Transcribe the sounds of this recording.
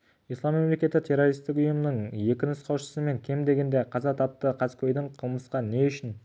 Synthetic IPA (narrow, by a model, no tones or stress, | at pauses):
ijslˠɑmːe̞mle̞kʲe̞t̪ːɪt̪ʰe̞ɾo̞ɾist̪ɪkʊjəmənəɴje̞kʲɪnɪsqʰɑwʃə̥səme̞ŋkʲʰe̞md̪e̞ɡʲe̞nd̪e̞qʰɑzɑt̪ʰɑp̚t̪əqʰɑskʲʰojd̪ɪɴqʰəlˠməsqɑne̞ʏʃɪn